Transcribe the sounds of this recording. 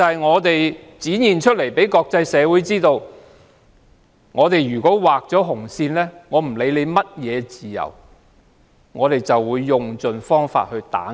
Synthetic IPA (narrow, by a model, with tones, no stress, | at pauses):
hɐ˨˩jŋɔː˨˧t̪e˨j | t͡siː˨˥njiː˨˩nt͡ʃʰɵ˥t̚le˨˩jpe˨˥jkɔː˧k̚t͡sɐ˧jsɛː˨˧wuː˨˥jt͡siː˥t̪o˧w | ŋɔː˨˧t̪e˨jjyː˨˩kɔː˨˥waː˨k̚t͡sɔː˨˥ɦʊ˨˩ŋsiː˧nlɛː˥ŋɔː˨˧m̩˨˩le˨˧˥jle˨˧jmɐ˥t̚jɛː˨˧t͡siː˨˩jɐ̰˨˩w | ŋɔː˨˧t̪e˨jt͡sɐ˨wːuː˨˧jːʊ˨ŋt͡sɵ˨nfɔː˥ŋfa̰ː˧t̚hɵ˧ɥt̪a̰ː˨˥